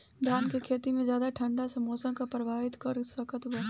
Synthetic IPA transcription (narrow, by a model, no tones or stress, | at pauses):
d̪ʱaːnkekʰeːt̪imẽzjaːd̪aʈʰɐ̃ɳɖasɐmoːsə̃ŋkapɾəbʱaːʋɪt̪kɐɾsɐkət̪bo